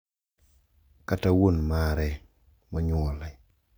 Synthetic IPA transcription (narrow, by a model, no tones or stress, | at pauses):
katawunmaɾɛ | mɔɲwɔlɛ